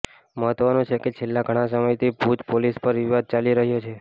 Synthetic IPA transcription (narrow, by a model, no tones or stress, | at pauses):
məɦət̪ʋənũt͡ʃʰeket͡ʃʰelːaɡʱəɽ̃ãs̬əməjt̪ʰibud͡ʒ̪polispəɾʋiʋad̪̚t͡ʃaliɾəɦjot͡ʃʰe